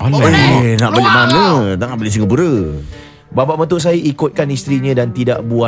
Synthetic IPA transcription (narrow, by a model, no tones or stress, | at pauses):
enaʔbaleʔmamə̃t̪aŋaʔbalis̬əŋəbuɾə | babaʔmənt̪ʊʔs̬ajəʔikʊt̪̚kanist̪ɾiɲãdant̪ida̰ʔbua